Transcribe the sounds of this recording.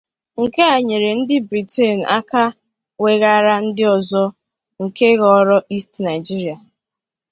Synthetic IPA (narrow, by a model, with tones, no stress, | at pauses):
ŋ̩˨ke˦a˨ɲe˨ɾe˨n̩˦dɪ˦bɾi˨te˦˨n̩˨a˦ka˦ | we˨ɣa˦ɾa˦n̩˦dɪ˦ɔ˨zɔ˦ | ŋ̩˨ke˦ɣɔ˨˦ɾɔ˦i˦stna˨ɪ˨d͡ʒi˦ɾi˨a˨